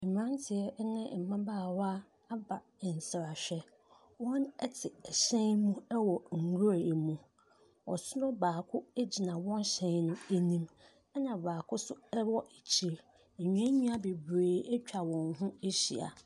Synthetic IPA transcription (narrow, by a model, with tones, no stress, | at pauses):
m˨ɾã˦n˦tʰɪ˨ɛ˦nɪ̃˦˨m̩˨mã˦baː˦˨wa˦ | a˦ba˨n̩˨sɪ˨ɾa˨ɕᶣɛ˦ | wɔ̃˦nɛ˦tʰɪ˨ɛ˨ɕɛ̃˦nmũ˦ɛ˦wɔ˨ŋ̩˨ɡu˦ɾa˨e˨mũ˨ | ɔ̰˨sʊ˦nʊ̃˦baː˨kʰʊ˦e˦d͡ʑi˨nã˨wɔ̃˦n˦ɕɛ̃˨˦nnʊ̃˦e˦nĩ˦m | ɛ˦nã˨baː˨kʰʊ˦sʊ˦ɛ˦wɔ˦ʔe˨t͡ɕʰi˨ɾ | ɲ̩˨ɲᶣ˨ɛ̃˦ɲĩ˦a˨be˨bɾeː˨ɛ˦t͡ɕᶣa˨wɔ̃˨nɦʊ̃˦e˦ɕḭ˨a̰˨